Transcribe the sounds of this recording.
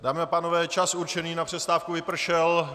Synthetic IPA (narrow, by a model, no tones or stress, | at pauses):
daːmɪapaːno̞vɛːt͡ʃasuɾt͡ʃɛniːnapr̥ɛst̪aːfkuvɪpr̩ʃɛl